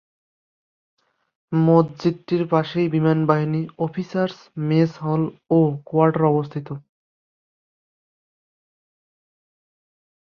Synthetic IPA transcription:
mod̪d͡ʑid̪ʈiɾpaʃejbimanbaɦiniɔfʰisaɾs | mesɦɔlokoaɾʈaɾɔbost̪ʰit̪o

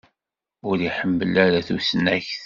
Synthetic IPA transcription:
ʊɾiħəmːəlæɾæθṵsənæçθ

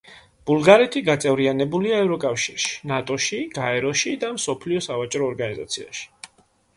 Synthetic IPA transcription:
b̥ulˠɡaɾɛt̪ʰiɡat̪sʼɛvɾianɛbuliaɛvɾɔkʼafʃiɾʃi̥nat̪ʼɔʃiɡ̥aɛɾɔʃid̪amsɔpʰliɔsavat͡ʃʼɾɔːɾɡaniza̰t̪sʰia̰ʃi̥

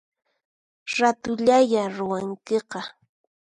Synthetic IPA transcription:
ɾat̪ʊʎajaɾʊwaŋkeqɑ

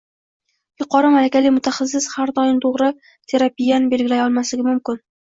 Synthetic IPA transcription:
jʊqʰɒɾɪmalakʲʰalɪjmʊt̪ʰaχas̬ːɪshaɾd̪ɒjɪnt̪ʰoʁɾɪ | t̪ʰe̞ɾapijanɪbe̞lɡʲɪlajɒlˠmaslɪɡʲɪmʊmkʲɪn

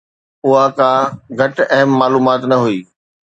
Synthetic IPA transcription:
ʊɦakãːɡʱɐʈɐɦəmːaːluːmaːt̪nɐɦuiː

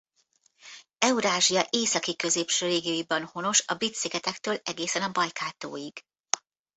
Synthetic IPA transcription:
ɛuɾaːʒijɒʔeːsɒkikø̞zeːpʃøɾeːɡijojibɒnho̞no̞ʃɒbit̪seɡɛt̪ɛkt̪øːlɛɡeːsɛnɒbɒjkaːt̪oːjiɡ̥

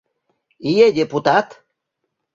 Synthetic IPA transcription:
ijed̪ʲeput̪at̪

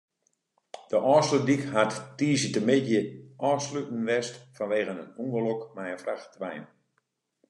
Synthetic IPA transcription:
d̥əʔɔːsudikhatːiːsətəmɪdjəɔːslytn̩ʋɛstfanʋeːɣənənuŋɡəlokmɛjənfraxtʋɛjn

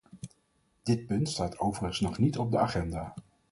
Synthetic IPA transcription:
d̥ɪt̚pɵntstaːtʰowvərənsnɔχnitɔb̚dəaːχɛndaː

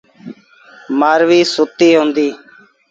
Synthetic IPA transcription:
maːɾʋiːsʊt̪ːiːɦõːnd̪iː

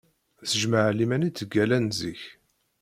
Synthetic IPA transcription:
θəʒməʕlːimænit͡sːəɡːælænziç

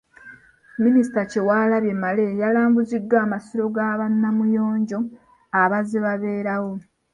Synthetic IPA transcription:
minisitace̞waːlaβje̞male̞jalaːmbuzidːwaːmasiɾo̞ɡaːβanːamujo̞ːɲɟo̞ | aβazeβaβe̞ːɾawo̞

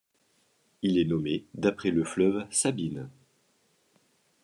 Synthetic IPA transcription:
ilɛnɔmed̪apχɛləflœvsabin

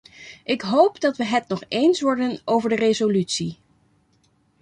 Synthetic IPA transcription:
ʔɪkɦowpdɑtʋəɦətnɔχejnsʋɔɹdənowvəɹdərezolytsi

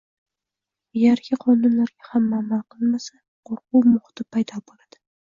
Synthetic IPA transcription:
jaɾkʲʰɪqʰɒnʊnlaɾɡʲahamːamaqʰɨlˠmasa | qʰoɾqʊmʊχt̪ʰɪpʰajd̪ɒbolad̪̥ɪ̥

